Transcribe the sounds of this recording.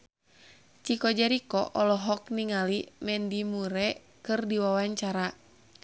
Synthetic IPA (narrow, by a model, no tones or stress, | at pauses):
t͡ʃikɔd͡ʒaɾikɔʔɔlɔɦɔk̚niŋalimɛndimuɾɛ | kɨrdiwawaɲt͡ʃaɾa